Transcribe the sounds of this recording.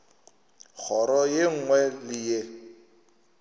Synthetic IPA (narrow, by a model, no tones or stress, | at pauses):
k͡xʰɔɾɔjeŋ̩ŋwɛlɪje